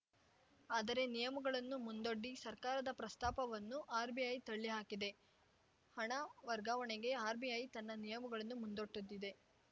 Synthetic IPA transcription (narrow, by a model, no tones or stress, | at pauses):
aːd̪ɐɾe̞nijɐmuɡɐɭɐnːumund̪o̞ɖːisɐɾkaːɾɐd̪ɐpɾɐst̪aːpɐʋɐnːuʔaːɾbiɐjt̪ɐɭːiɦaːkid̪e̞ | hɐɳɐʋɐɾɡaːʋɐɳeɡe̞aːɾbiɐjt̪ɐnːɐnijɐmuɡɐɭɐnːumund̪o̞ʈːud̪ːid̪e̞